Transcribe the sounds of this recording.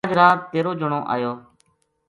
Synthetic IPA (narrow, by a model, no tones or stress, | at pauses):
d͡ʒɾaːt̪eːɾoːd͡ʒʊɳõːʔa̰ːjoː